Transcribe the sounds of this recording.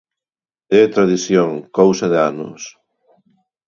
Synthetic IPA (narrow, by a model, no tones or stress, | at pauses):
et̪ɾaðiθjoŋkowsɐðeanʊ̰s